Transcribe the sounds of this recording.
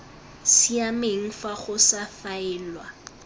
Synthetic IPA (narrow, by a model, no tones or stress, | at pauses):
siameŋ̩faχʊsafaɛːlwa